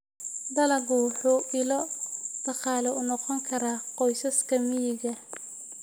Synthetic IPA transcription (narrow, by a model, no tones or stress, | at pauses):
d̪ɐlɐɡʊwħuːʔɪlɔd̪̥ɑqɑːlɛʊnɔqɔŋkʰɐɾaːqɔjsɐskʰɐmɪjɪɣɐ